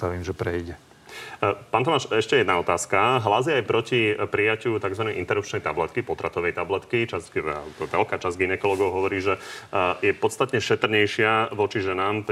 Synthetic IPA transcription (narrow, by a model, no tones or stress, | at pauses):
t̪aʋiːmʒɛpɾɛiɟɛ | paːnt̪ɔmaːʃɛʃcɛjɛd̪naɔt̪aːskaɦlazjɛajpɾɔcipɾijacɪut̪aɡzʋanɛjint̪ɛɾup̚t͡ʃnɛjt̪ablɛt̪kipɔt̪ɾat̪ɔʋɛjt̪ablɛt̪kit͡ʃaza̰lb̪ɔʋɛlkaːt͡ʃazɡinɛkɔlɔɡɔʊɦɔʋɔɾiːʒɛjɛpɔt̪st̪at̪ɲɛʃɛt̪r̩ɲɛjʃɪaʋɔt͡ʃiʒɛnaːmp